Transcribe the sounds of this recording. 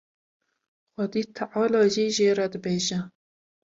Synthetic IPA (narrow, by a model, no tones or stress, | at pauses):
xʷɔd̪iːt̪ʰaʕɑːlɑːʒiːʒeːɾɛd̪ɨbeːʒɛ